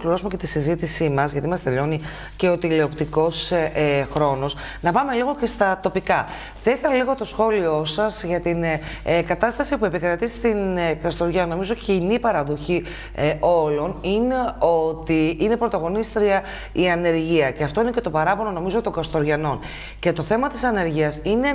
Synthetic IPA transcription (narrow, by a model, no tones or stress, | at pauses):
kliɾo̞sume̞ce̞t̪isizit̪isimɐzʝɐt̪imɐst̪e̞ʎo̞ni | ce̞ot̪ileopt̪iko̞sxɾo̞no̞s | nɐpɐme̞liɣo̞ce̞st̪ɐt̪o̞pikɐ | θeθɐleɣo̞t̪o̞sxo̞lio̞sɐzʝɐt̪inkɐt̪ɐst̪ɐsipue̞pikɾɐt̪ist̪inkɐst̪o̞ɾʝɐno̞mizo̞cinipɐɾɐðo̞çi | o̞lo̞nine̞o̞t̪iine̞pɾo̞t̪ɐɣo̞nist̪ɾiɐ | iɐne̞ɾʝiɐceɐft̪o̞ine̞ce̞t̪o̞pɐɾɐpo̞no̞no̞mizo̞t̪o̞ŋɡɐst̪o̞ɾʝɐno̞n | ce̞t̪o̞θe̞mɐt̪isɐne̞ɾʝiɐsine̞